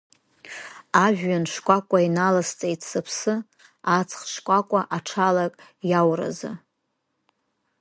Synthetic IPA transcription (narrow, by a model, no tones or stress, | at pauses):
aʒᶣːanʂkʷʼakʷʼainalast͡sʼejtʰsɨpʰsɨ | at͡sʰχʂkʷʼakʷʼaʔaʈ͡ʂʰalakʼjawra̰za̰